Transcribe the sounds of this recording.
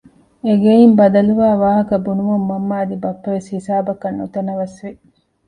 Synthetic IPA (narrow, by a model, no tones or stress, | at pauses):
eɡeimbɐd̪ɐluʋaːʋaːɦɐkɐbunuʋɐmːɐmːaːd̪ibɐpːɐʋeshisaːbɐkɐnːut̪ɐnɐʋɐsʋi